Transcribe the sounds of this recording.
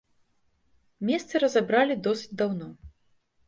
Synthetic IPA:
mʲɛst̪sɨɾɐzabɾalʲid̪ɔsʲɨ̥t͡sʲd̪awnɔ

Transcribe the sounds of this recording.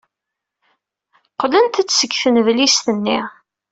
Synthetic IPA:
qlənt̪æt͡sːsəkːfənvlist̪ənːiʁ

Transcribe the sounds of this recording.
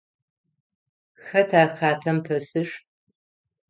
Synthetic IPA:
xɐtʰaːxaːtʰɐmpʰɐsɨɕ

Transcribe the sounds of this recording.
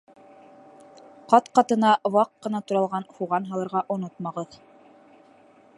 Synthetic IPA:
qɑt̪qɑt̪ɤ̆nɑwɑqːɤ̆nɑt̪ŭɾɑlˠʁɑnhuʁɑnɦɑlˠɤ̆ɾʁɑʔŏnot̪̚mɑʁɤð

